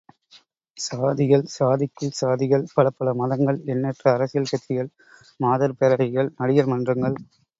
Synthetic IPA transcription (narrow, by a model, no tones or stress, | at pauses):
saːðɪɣɐɭsaːðɪkːɯɭsaːðɪɣɐɭpɐɽɐpːɐɭɐmɐðɐŋɡɐɭɛnːɛʈrɐːɾɐsɪjɐlkɐt̪ːɪjɐɭ | maːðɐɾpɛɾɐɾɐɣɐɭnɐɽɪjɐlmɐndrɐŋɡɐɭ